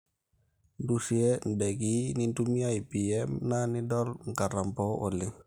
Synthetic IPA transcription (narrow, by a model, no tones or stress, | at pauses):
ndusiɛndeɡinintumiaipiɛmnanidɔlŋkaɾampɔʔo̰lːiŋ